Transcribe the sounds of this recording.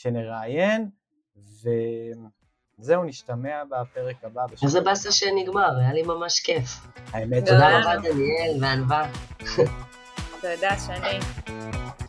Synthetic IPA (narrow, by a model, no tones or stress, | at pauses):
ʃeneʁaːjen | vem | zeuniʃtameabapeʁekababeʃazebasaʃeniɡmaʁajalimamaʃkefhaemet̪odaʁabad̪anielveanva | t̪ojod̪aʃeani